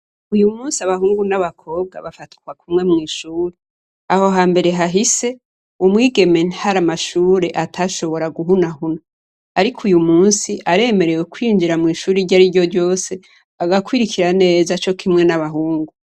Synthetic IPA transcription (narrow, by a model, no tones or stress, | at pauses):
ujumuːnsiaβaɦuːŋɡunaβakʰo̞ːb̚ɡa̰βafati̥kwakumŋe̞mŋiːʃuːɾe | aho̞ɦaːmbe̞ɾe̞ɦaɦise̞ | umŋiːɡe̞me̞nhaɾamaʃuːɾe̞ʔatʰaʃo̞βo̞ɾaɡuɦunahuno | aɾikʰujumuːnsiʔaɾe̞ːme̞ɾe̞wekwiːnd͡ʒiɾamŋiːʃuːɾiɟaɾiɾɟo̞ɾɟo̞ːse̞ | aɡakwiːɾikʰiɾane̞ːzat͡ʃo̞kʰimŋe̞naβaɦuːŋɡu